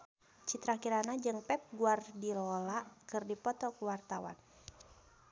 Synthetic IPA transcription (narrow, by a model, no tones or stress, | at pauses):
t͡ʃit̪ɾakiɾanad͡ʒɨŋpɛp̚ɡuardilɔlaʔkɨrdipɔt̪ɔkuwart̪awa̰n